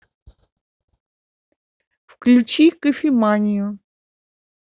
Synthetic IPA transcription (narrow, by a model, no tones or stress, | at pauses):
fklʲʉt͡ɕikəfʲɪmanʲɪjʊ